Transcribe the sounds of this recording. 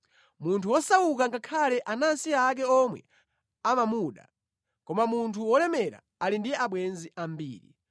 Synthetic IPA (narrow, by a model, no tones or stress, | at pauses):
muntʰuwɔsawukaŋɡakʰalɛʔanansiak̬ɛɔmwɛ̰ | amamuɗa̰ | kɔmamuntʰuwɔlɛmɛɾa̰ | alindijɛaɓwɛnziʔambḭːɾḭ